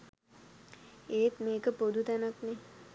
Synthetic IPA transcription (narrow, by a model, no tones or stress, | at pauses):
eːt̪meːkəpod̪ʱut̪ænakne